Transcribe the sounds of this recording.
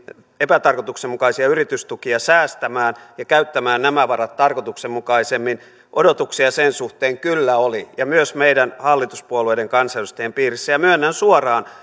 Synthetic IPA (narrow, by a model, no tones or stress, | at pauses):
epæt̪ɑrkot̪uksemukɑisiɑyrit̪yst̪ukiɑsæːst̪æmæːnjɑkæyt̪ːæmæːnnæmæʋɑrɑt̪tɑrkot̪uksemmukɑisemːin | ʔodot̪uksiɑsensuht̪eːŋkylːæolijɑmyøsmeidænhɑlːit̪u̥spuolueideŋkɑnselust̪eempiːrisːæjɑmyønːænsuorɑːn